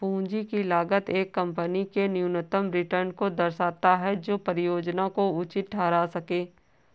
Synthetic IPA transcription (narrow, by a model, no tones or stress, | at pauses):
pũːd͡ʒikilaːɡət̪eːkːɐ̃mpənikenjunət̪əmɾɪʈəɾnkod̪ɐɾsaːt̪aɦɛd͡ʒoːpəɾɪjoːd͡ʒnakoʊt͡ʃɪt̪̚ʈʰaːɾasɐkẽː